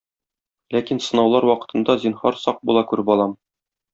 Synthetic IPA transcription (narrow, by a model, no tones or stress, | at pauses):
lækinsɤ̆nɑwlˠɑɾwɒqɤ̥̆t̪ɤ̆nd̪ɑzinhɑɾsɒq̚bulˠɑkʉɾɘpɒlˠɑm